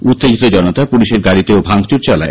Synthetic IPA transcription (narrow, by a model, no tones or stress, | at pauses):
ut̪ːed͡ʑit̪od͡ʑɔnot̪apuliʃeɾɡaɽit̪eobʱaŋt͡ɕuɾt͡ɕɔla̰e